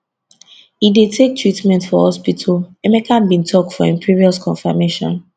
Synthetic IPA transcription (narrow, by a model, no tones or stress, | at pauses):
idetʰek̚tɹitmɛ̃ntfɔhɔspitʰɔlɛmekʰãmbĩntʰɔk̚tfɔɛ̃mpʰɹiɹiɔskʰɔ̃nfa̰meʃɔ̰̃n